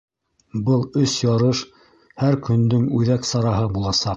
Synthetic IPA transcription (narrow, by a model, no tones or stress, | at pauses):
bɤlˠɵsjɑɾɤʃ | hæɾkɵ̆nd̪ɵŋʉðæksɑɾɑɦɤbulˠɑsɑq̚